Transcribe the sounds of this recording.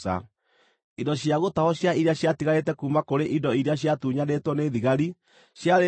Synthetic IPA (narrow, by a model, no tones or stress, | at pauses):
a̰ | indɔɕjaɣotahɔɕjaiɾjaɕjatiɣaɾetɛkuːmakoɾeʔindɔiɾeaɕ̬jatuɲanetwɔneðiɣaɾi | ɕjaɾe